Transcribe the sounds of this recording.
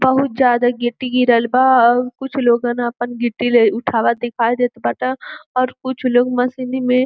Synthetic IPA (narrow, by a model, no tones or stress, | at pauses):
bɐɦʊt̪̚d͡ʒjaːd̪aɡeʈːiɡiɾəlbakʊt͡ʃʰloːɡãnaɐpənɡɪʈːileʊʈʰaːʋad̪ɪkʰaːjd̪eːt̪bɐʈaɔːɾkʊt͡ʃʰloːɡmɐsinimẽ